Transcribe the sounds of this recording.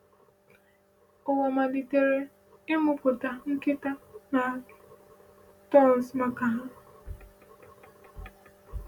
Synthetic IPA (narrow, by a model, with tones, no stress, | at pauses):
ʊ˨wɔ˨ma˨li˨te˨ɾe˦ | ɪ˦mʊ˦pʊ˨ta˨ŋ̩˦kɪ˦ta˦na˨ | tɔ˦˨sma˦ka˨ɦa˦